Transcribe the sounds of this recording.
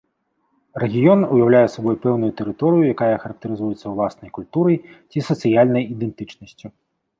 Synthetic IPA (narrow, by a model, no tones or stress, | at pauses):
rɛɣʲijɔnujawlʲajɛsabɔjpɛwnujut̪ɛɾɨt̪ɔɾɨjujakajɐxɐɾɐk̚t̪ɐɾɨzujɛt̪sːɐwlˠasnɐjkulʲt̪uɾɐjt͡sʲisɐt̪sɨjalʲnɐjid̪ɛnt̪ɨt͡ʂnɐsʲt͡sʲu